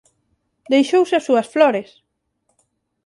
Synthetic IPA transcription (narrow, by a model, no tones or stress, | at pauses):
d̪ejʃowsɪasuɐsflɔɾes